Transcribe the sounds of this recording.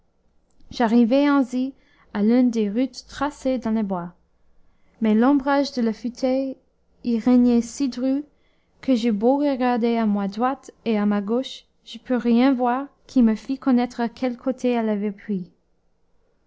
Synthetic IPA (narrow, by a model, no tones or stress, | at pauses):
ʒ̥aʁivɛɑ̃zi | alỹnd̪eʁyt̪ːχased̪ɑ̃lebwa | mɛlɑ̃bʁaʒd̪əlafyt̪ʰœj | iʁɛɲɛsid̪ʁy | kʰəʒeboʁəɡaʁd̪eamwad̪ʁwat̪eamaɡoʃ | ʒ̥əpʰyʁjɛ̃vwaʁkʰiməfikɔnɛt̪χəkʰɛlkʰot̪ʰeɛlavɛpχi